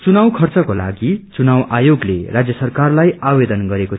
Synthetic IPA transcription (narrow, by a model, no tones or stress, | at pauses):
t͡sunawkʰʌrt͡sʌkola̰ɡit͡sunawajoɡlḛrad͡zjʌsʌrkarlajabed̪ʌnɡʌɾeko